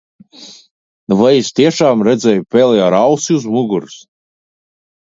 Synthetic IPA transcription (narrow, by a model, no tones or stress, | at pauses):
vajist̪iɛʃaːmɾɛd̪zʲɛjupʲɛlʲjaɾawsiuzmuɡuɾs